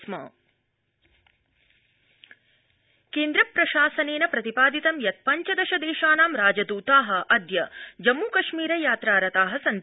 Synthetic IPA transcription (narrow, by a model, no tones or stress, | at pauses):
smɐ̰ | keːnd̪ɾɐpɾɐʃaːsɐneːnɐpɾɐt̪ipaːd̪it̪ɐmjɐt̪̚pɐɲt͡ʃɐd̪ɐʃɐd̪eːʃaːnaːmɾaːd͡ʒɐd̪uːt̪aːɦɐ̆ʔɐd̪jɐd͡ʒɐmːuːkɐʃmiːɾɐjaːt̪ɾaːɾɐt̪aːɦɐsɐn